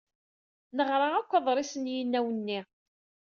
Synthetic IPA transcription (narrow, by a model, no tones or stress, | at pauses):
nəʁɾˤɑækʷːɑðˤɾˤisənjənːæwənːi